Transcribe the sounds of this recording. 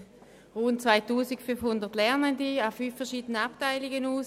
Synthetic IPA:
ʁuːntt͡sv̥aɪtuːsɪkfynfhʊndətlɛɐnəndiafyːfːɛɐʃiːdənəaptaɪlɪɡənuːs

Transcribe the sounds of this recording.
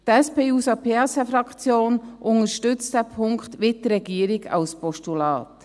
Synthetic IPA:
tɛspeːuːsɑpʰesɛfɾɑkt͡sjoːnʔʊnəʃtʏt͡std̥ɛpʰʊŋktʋɪt̚dəɾɛɡiːəɾɪɡɑ̰lspɔʃtulɑ̰ːt

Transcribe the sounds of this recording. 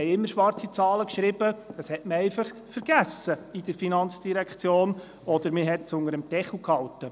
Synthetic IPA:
ɛɪɪmːəɾʃʋɑrt͡sit͡sɑːləkʃɾɪb̥əd̪̥ɑshɛtməɾɛɪfɑχfəɾɡ̥æsəid̥əɾfinɑnt͡sd̥iɾɛkχt͡sjoːn | ɔd̥̪əɾmɪɦɛtsʊŋəɾəmtɛχl̩khɑltə

